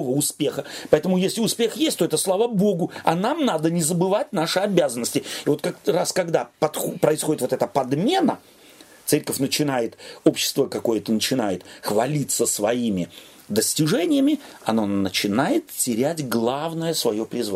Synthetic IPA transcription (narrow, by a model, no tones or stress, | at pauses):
ovəʊspʲe̞xəpɐɛt̪əmʊjesʲlʲɪʊspʲe̞xjesʲtʲt̪o̞ɛt̪əslˠavəbo̞ɡʊɐ̰namnad̪ənʲɪzəbɨvat̚ʲnaʂɨɐbʲazənːəsʲtʲɪɪvo̞t̪kakraskɐɡd̪apɐt̪xpɾəɪsxo̞dʲɪt̪vot̪ɛt̪əpɐd̪mʲe̞nə | t̪sɛɾʲkəfʲnət͡ɕɪnajɪt̪o̞pɕːɪ̥st̪vəkɐko̞jət̪ənət͡ɕɪnajɪt̪xvɐlʲit̪sːəsvɐimʲɪ | d̪əsʲtʲɪʐɛnʲɪjəmʲɪɐno̞nət͡ɕɪnajɪt̪tʲɪɾʲætʲɡlˠavnəjəsvɐjo̞pɾʲɪzva